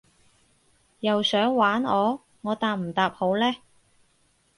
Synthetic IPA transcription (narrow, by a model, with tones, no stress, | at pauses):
jɐ˨wsœː˨˥ŋwaː˨˥nɔː˨˧ | ŋɔː˨˧t̪aː˨˧p̚m̩˨˩t̪aː˨p̚ho˨˥wlɛː˥